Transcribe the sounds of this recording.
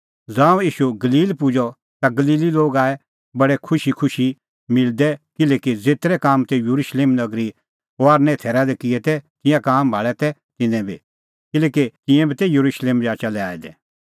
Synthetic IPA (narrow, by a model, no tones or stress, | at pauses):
d͡zãːũiːʃuɡɐliːlpʊd͡ʒɔ | t̪aɡɐliːliloːɡaːɛ | bɐɽɛkʰʊʃikʰʊʃi | mɪld̪ɛkɪlɛkid͡zeːt̪ɾɛkaːmt̪ɛjuɾuʃleːmnɐɡɾi | ɦoaːɾnɛ̃t̪ʰɛːɾad̪ɛkɪɛt̪ɛk̪ɪ̃jãkaːmbʱaːɭɛt̪ɛ | t̪ɪnɛ̃bʱḭ | kɪlɛːkik̪ɪ̃jɛ̃bʱit̪ɛjuɾuʃleːmɾiaːt͡ʃalɛa̰ːid̪ɛ̰